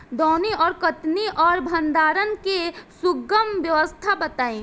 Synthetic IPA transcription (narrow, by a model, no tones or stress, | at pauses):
d̪ɔːniɔːɾkət̪niʔɔːɾbʱə̃nd̪aːɾənkesʊɡəmʋjəʋəst̪ʰabət̪aːĩ